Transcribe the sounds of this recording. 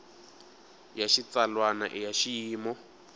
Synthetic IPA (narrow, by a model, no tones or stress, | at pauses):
jaʃit͡salwana̰ʔijaʃiiːmɔ